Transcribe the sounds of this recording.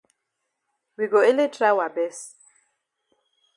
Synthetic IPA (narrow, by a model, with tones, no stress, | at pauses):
wi˨ɡo˨e˦le˦tʰɾa˦wa˨bɛ˦s